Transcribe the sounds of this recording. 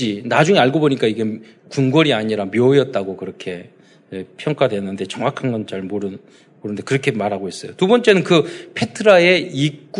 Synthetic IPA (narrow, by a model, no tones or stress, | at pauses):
inad͡ʑuŋeaɭɡoboɲik͈aiɡe̞ | kuŋɡwʌɾiaɲiɾamjojʌt̚t͈aɡokɯɾʌkʰe̞ | epʰjʌŋk͈wadwe̞ʌnːɯnde̞t͡ɕʌŋwakʰanɡʌnt͡ɕaɭmoɾɯn | moɾɯnde̞kɯɾʌkʰe̞maɾɦaɡoɦes͈ʌjotubʌnt͡ɕ͈e̞nɯnkɯpʰe̞tʰɯɾae̞ikk͈